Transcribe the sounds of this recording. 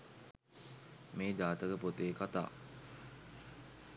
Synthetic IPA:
meːd̪aːt̪əkəpot̪eːkat̪a̰ː

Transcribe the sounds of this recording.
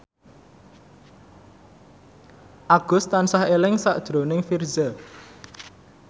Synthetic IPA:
ʔaɡ̥ʊ̤st̪ansahelɪŋsaʔd̥ʒ̥ɾo̤nɪŋfirzə

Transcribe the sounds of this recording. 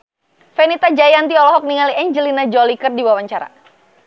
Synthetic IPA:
fɛnit̪ad͡ʒajant̪iɔlɔɦɔk̚niŋaliɛɲd͡ʒəlinad͡ʒɔlikərdiwawaɲt͡ʃaɾa̰

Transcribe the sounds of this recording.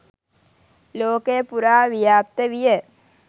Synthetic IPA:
loːkepuɾaːʋijaːp̚t̪əʋijə

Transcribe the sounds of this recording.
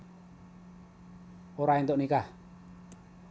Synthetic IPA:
oɾaint̪oʔnikah

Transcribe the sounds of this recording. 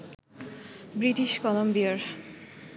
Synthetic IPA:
bɾiʈiʃkɔlombiaɾ

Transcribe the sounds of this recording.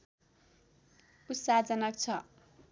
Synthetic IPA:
usad͡zʌnʌkt͡sʰʌ

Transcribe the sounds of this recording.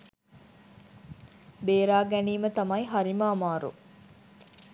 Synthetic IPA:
beːɾaːɡæniːmət̪ɐmɐjɦɐɾimaːmaːɾṵ

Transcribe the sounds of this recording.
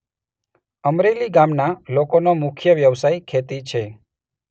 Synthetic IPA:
əmɾeliɡamnalokonomʊkʰjəʋjəʋsajkʰet̪it͡ʃʰe

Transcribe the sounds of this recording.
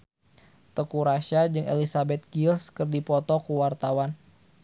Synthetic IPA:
t̪əkuɾaʃad͡ʒɨŋḛlisabɛt̪̚ɡilskərdipɔt̪ɔkuwart̪awan

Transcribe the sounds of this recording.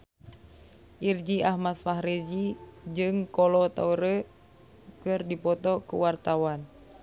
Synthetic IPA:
ʔird͡ʒiaɦmat̪̚faɦɾid͡ʒid͡ʒɨŋkɔlɔt̪a̰uɾə | kɨrdipɔt̪ɔkṵwart̪awan

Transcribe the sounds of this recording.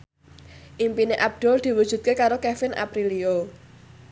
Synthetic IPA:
ʔimpineʔab̚d̪̥ɔ̤ld̪̥i̤wud̥ʒ̥ṳt̪̚kekaɾokefɪnʔa̰pɾilio

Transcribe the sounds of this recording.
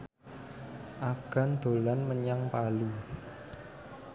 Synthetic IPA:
ʔafɡ̥a̤nd̪̥o̤lanməɲaŋpalu

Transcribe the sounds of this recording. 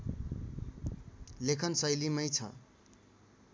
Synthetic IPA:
lekʰʌnsʌjlimʌjt͡sʰʌ̰

